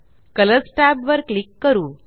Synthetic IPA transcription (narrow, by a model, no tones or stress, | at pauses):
kələsʈabʋəɾklikːəɾuː